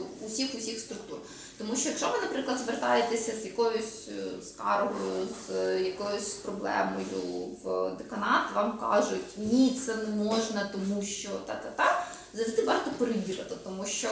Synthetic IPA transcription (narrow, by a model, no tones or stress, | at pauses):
sʲixʊsʲixst̪ɾʊk̚t̪ur | t̪ɔmuʃt͡ʃɔjɐkʃɔʋɨnɐpɾɪklˠɐd̪zʋert̪ɑjet̪esʲɐzjɐkɔjʊsʲskɑ̰rɦɔjʊzjɐkɔjʊsʲpɾɔblˠɛ̰mɔjʊ̰ʋd̪ekɐnɑt̪ʋɑmkɑ̰ʒʊtʲnʲit̪sɛnɛmɔʒnɐt̪ɔmuʃt͡ʃɔt̪ɑt̪ɑt̪ɑ | zɐsʲɪt̪ɪbɑɦɑt̪ɔpeɾɪbʲiːɾɐt̪ɪt̪ɔmuʃt͡ʃɔ